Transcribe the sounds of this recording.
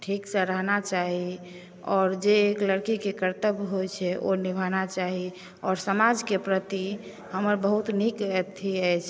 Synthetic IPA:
ʈʰiksəɾəɦnat͡ʃaɦi | ɔːɾd͡ʒeːkləɾkikekəɾt̪əbɦojt͡ʃʰɛʔo̰nibʱanat͡ʃaɦi | ɔːɾsəmad͡ʒkepɾət̪i | həməɾbəɦut̪nikt̪ʰːiəjt͡ʃʰ

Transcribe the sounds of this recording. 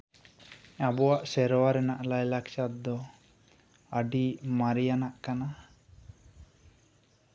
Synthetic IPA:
abɔwaʔsɛɾɔwaɾɛnaʔlajlakt͡ʃat̪̚d̪ɔ | əɖimaɾijanaʔkana

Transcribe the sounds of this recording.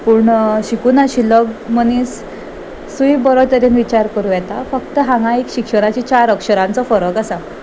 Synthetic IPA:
puːɳɕikuːnaɕilɔɡmənisː | ujibəɾot̪əɾenʋit͡ɕaɾkəɾuːjɛt̪afəkt̪əɦãŋɡãekɕikʂəɾat͡ɕit͡ɕaɾəkʂəɾãnt͡sɔfɔɾəkasa

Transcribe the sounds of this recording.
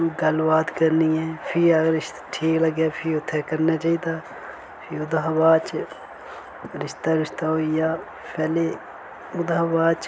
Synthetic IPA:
ɡəlbaːd̪kəɾniɛːpʰɪəɡəɾɪʃt̪ʈʰiːkləɡjaːpʰɪʊt̪ʰːɛːkəɾnaːt͡ʃaːiːd̪aː | pʰɪʊd̪ɦbaːt͡ʃ | ɾɪʃt̪aːɾɪʃt̪aːɦoːijaː | pʰɛːleː | ʊd̪abaːt͡ʃ

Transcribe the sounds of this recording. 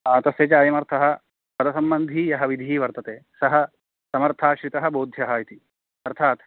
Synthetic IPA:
aːt̪ɐsjɐːt͡ʃaːjɐmɐɾt̪ʰɐɦɐ̆ | pɐd̪ɐsɐmbɐnd̪ʱiːjɐɦɐʋid̪ʱiːʋɐɾt̪ɐt̪eːsɐɦɐ̆ | sɐmɐɾt̪ʰaːʃɾit̪ɐɦɐ̆boːd̪ʱjɐɦɐit̪i | ɐɾt̪ʰaːt̪

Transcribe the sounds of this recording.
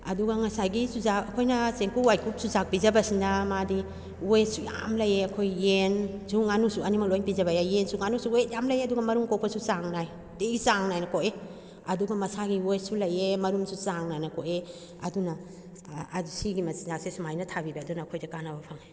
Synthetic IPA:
ɐduɡɐŋɐsajɡisuzakɐkʰojnɐseŋkuwajkʰuk̚suzak̚pizɐbɐsindɐmadi | ojesuja̰mlɐjeɐkʰojensuŋanusuɐnimɐklojnpizɐbɐjajensuŋanusuet̚jamlɐjeɐduɡɐmɐɾuŋkokpʰɐsusaŋnaj | teɡisaŋnajnɐkoʔe | ɐduɡɐmɐsaɡiwojsulɐjemɐɾumsusaŋnajnɐkoʔe | ɐdunɐ | usiɡimɐsizasesumajnɐtʰabibɐːdunɐːkʰojdɐkanɐbɐpʰaŋa

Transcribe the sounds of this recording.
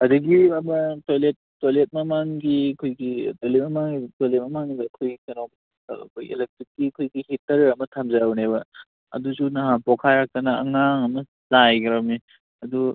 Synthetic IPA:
ɐduɡiɐmɐtojlet̚ːojlet̚mɐmaŋɡikʰojɡḭtolet̚mɐmaŋitojlet̚mɐmaŋidɐkʰojɡikɐnom̰ | kḛlek̚tɾik̚ːikʰojɡihitːɐɾeɐmɐtʰamzawnebɐ | ɐ̰dusunɐɦapokʰajɾak̚tɐnɐɐŋaŋɐmɐ | zajɡɐɾɐmi | ɐdu

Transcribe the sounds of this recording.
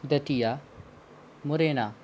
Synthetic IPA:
d̪ɐʈija | mʊɾeːna

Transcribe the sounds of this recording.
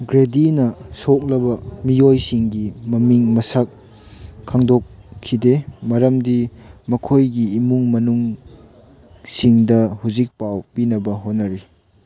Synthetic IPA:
ɡɾedinɐsok̚lɐbɐmijojsiŋɡimɐmiŋmɐsɐk̚ʰː | aŋdokʰːidemɐɾɐmdimɐkʰojɡiːmuŋmɐnuŋ | siŋdɐhuzik̚pawpinɐbɐɦot̚nɐɾi

